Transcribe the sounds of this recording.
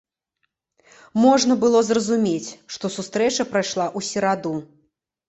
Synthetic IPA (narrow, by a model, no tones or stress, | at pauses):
mɔʐnɐbɨlˠɔzrɐzumʲet͡sʲʂt̪ɔsust̪ɾɛt͡ʂɐpɾajʂlˠaʔusʲɛɾad̪u